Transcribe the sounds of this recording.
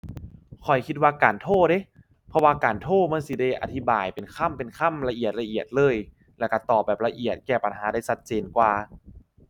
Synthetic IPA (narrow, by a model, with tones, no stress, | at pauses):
kʰɔ˨˩jkʰi˧t̪̚waː˧kaː˨˩nt̪ʰoː˥˩de˧˥˦ | pʰɔ˧waː˧kaː˨˩nt̪ʰoː˥˩ma˧˥˨nsi˧˦de˧˩jʔa̰˨˧t̪ʰi˦baː˨˩jpe˨nkʰa˥˨mpe˨˩nkʰa˥˩˨mla˧ʔi˨˩ət̪̚la˧ʔi˨˩ət̪̚lɤː˧˨j | lɛː˧˩ka˧˩t̪ɔː˨˩p̚bɛː˨˩p̚la˧ʔi˨˩ət̪̚kɛː˧˩pa˨nɦaː˩˦daː˥˩jsa˦˥t̪̚t͡ɕeː˧nkwaː˧